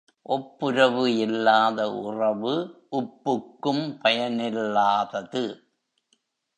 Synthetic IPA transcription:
ʔɔpːʊɾɐʋɯɪlːaːðɐʔʊrɐʋɯʔʊpːɯkːɯmpɐjɐnɪlːaːðɐðɯ

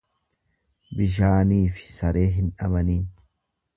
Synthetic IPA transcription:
bɪʃ̬aːniːfɪ̥sɐɾe̞ːɦɪnᶑɐbɐniːn

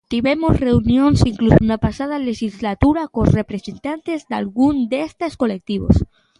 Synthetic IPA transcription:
t̪iβemosre̞unjõ̞nsiŋklusunapasað̞alexizlat̪uɾakonre̞pɾe̞se̞nt̪ant̪e̞zd̪a̰lɣund̪est̪esko̞le̞k̚t̪iβo̰s

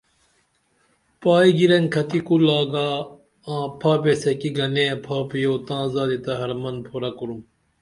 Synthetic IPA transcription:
paːiɡiɾɐŋkʰɐt̪ikulaːɡaː | ãːpʰaːpeːsekiɡɐnẽːpʰaːpijoːt̪ãːzaːd̪et̪ɐɦɐɾmɐnpʰoɾaːkuɾum

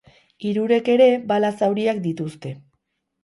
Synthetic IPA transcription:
iɾuɾe̞ke̞ɾe̞balasawɾiak̚d̪it̪ust̪e̞

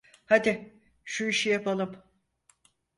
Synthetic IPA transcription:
had̪ɪ | ʃuiʃijapʰalˠɯm

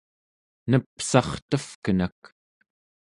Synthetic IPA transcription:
nəpsɑχt̪əfkənak

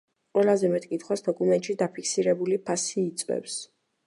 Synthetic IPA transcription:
qʼwɛlˠazɛmɛt̪ʼkʼit̪ʰχwasd̪ɔkʼumɛnt̪ʼʃid̪apʰikʰsiɾɛbulipʰasiːt̪sʼwɛ̰ps

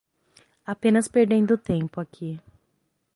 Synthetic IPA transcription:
apẽnɐspeɾd̪ẽnd̪ʊt̪ẽpʊakʰi

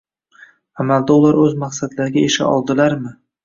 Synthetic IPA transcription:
amald̪aʊlaɾɵzmaqsad̪laɾɪɡʲaeʃa̰ɒ̰lˠd̪ɪlaɾmɪ

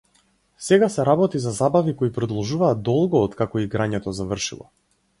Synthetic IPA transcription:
sɛɡasɛɾabɔt̪izazabavikɔipɾɔd̪ɔlˠʒuvaːd̪̚ɔlˠɡɔːt̪kakɔiɡɾaɲɛt̪ɔzavr̩ʃḭlˠɔ̰

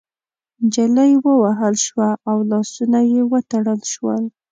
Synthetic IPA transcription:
d͡ʒaləjwəwaɦəlʃwaawlɑsunajewət̪aɽəlʃwəl

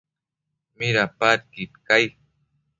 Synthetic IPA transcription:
miɾapat̪̚kit̪kaj

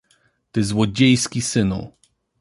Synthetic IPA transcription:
t̪ɘzwɔd͡ʑejskʲisɘnṵ

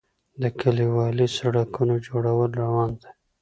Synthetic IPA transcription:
d̪əkəliwɑlisaɽakunod͡ʒoɽawəlɾawɑnd̪e

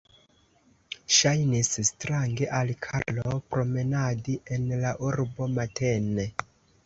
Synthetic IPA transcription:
ʃajnisstɾaŋɡe̞ʔalkʰaɾlopɾo̞me̞nadiʔe̞nlaʔuɾbo̞matʰene

